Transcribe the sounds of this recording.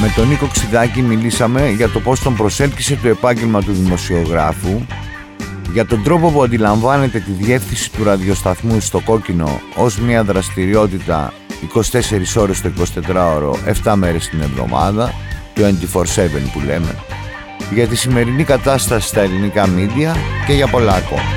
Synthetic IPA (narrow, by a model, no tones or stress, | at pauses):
me̞t̪o̞niko̞ksiðɐcimilisɐme̞ʝɐt̪o̞po̞st̪o̞mpɾo̞se̞lçise̞t̪o̞e̞pɐɲɟe̞lmɐt̪uðimo̞sio̞ɣɾɐfu | ʝɐt̪o̞nd̪ɾo̞po̞puɐnd̪ilɐɱvɐne̞t̪e̞t̪iðie̞fθinsi̥t̪uɾɐðio̞st̪ɐθmust̪o̞ko̞cino̞̰ozmɲɐðɾɐst̪iɾio̞t̪it̪ɐ̰ | iko̞si̥t̪e̞se̞ɾiso̞ɾe̞st̪oiko̞si̥t̪e̞t̪ɾɐo̞ɾo̞̰ʔe̞ft̪ɐme̞ɾe̞st̪ine̞vðo̞̰mɐ̰ðɐt̪uend̪ifo̞ɾse̞ve̞̰npule̞̰me̞̰ | ʝɐt̪isime̞ɾinikɐt̪ɐst̪ɐsi̥st̪ɐe̞linikɐmid̪iɐce̞ʝɐpo̞lɐːko̞̰mɐ